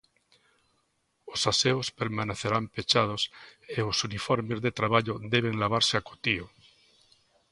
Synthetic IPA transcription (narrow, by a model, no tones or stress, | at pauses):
osaseospeɾmaneθeɾampet͡ʃað̞oseosunifoɾmezðet̪ɾaβ̞aʎoðeβ̞eŋlaβ̞aɾseakot̪io